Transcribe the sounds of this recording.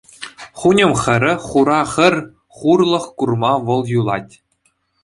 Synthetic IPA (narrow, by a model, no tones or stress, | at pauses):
χunʲɤ̆mχɘ̆ɾʲɘ̆χuɾɑχɘ̆rʲ | χurlˠɤ̆χkurmɑʋɤ̆lˠjulˠɑtʲ